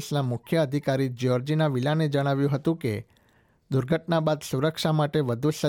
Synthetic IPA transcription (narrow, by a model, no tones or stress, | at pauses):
snamʊkʰjəəd̪ʱikaɾid͡ʒiɔɾd͡ʒinaʋilaned͡ʒəɽ̃aʋjũɦət̪ũke | d̪ʊɾɡʱəʈnabad̪suɾəkʃamaʈeʋəd̪ʱusə